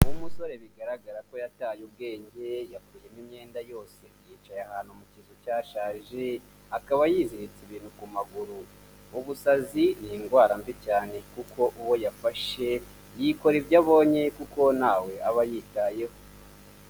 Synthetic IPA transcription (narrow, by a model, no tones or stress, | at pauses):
umuso̞ɾe̞βiɡaɾaɡaɾako̞jataːjub̚ɡe̞ːɲɟe̞jakuːje̞nimɲe̞ːndajo̞ːse̞jiːt͡ʃajahaːn̥humucizocaːʃaːʒe | akaβajiːziɾit͡siβiːnhukumaɡuɾu | uβusaziniŋɡwaːɾaɱvicaːne̞kuko̞ʔuwojafaʃe̞ | jiko̞ɾibɟaβo̞ːɲe̞kuko̞naːwe̞aβajitaje̞ho